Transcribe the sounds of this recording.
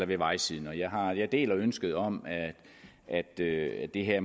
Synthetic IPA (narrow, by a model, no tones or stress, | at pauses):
ɐʋe̝ʋɑ̈ɪsið̰ˠn̩ɒ̽jɑ̈ɪɦɑ̈jɑ̈ɪd̥e̝̰ːlɒønsɡ̥əð̞̩ˠɒ̽m̰æ̥ | ʔæd̥ød̥e̝ɦeɐ